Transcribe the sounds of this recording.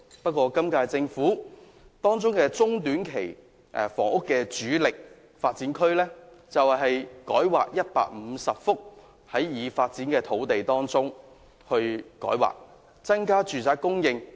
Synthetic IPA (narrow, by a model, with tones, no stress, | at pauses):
pɐ˥t̚kʷɔː˧kɐ˥mkaː˧jt͡sɪ˧ŋfuː˨˥ | t̪ɔː˥ŋt͡sʊ˥ŋkɛː˧t͡sʊ˥ŋt̪yː˨˥nkʰe˨˩j | ʔɛ˨fɔ̰ː˨˩ŋʊ˥kːɛː˧t͡ʃyː˨˥lɪ˨k̚ | faː˧t̚t͡siː˨˥nkʰɵ˥ɥlɛː˥t͡sɐ˨wɦɐ˨jkɔ̰ː˨˥jwa̰ː˨k̚jɐ˥t̚pa̰ː˧k̚m̩˨˧sɐ˨p̚fʊ˥k̚ | hɐ˨˥jjiː˨˧faː˧t̚t͡siː˨˥nkɛː˧t̪ʰo˨˥wt̪e˨jt̪ɔː˥ŋt͡sʊ˥ŋ | hɵ˧ɥkɔ̰ː˨˥jwa̰ː˨k̚ | t͡sɐ˥nkaː˥t͡ʃyː˨t͡saː˨˥kːʊ˥ŋjɪ˧ŋ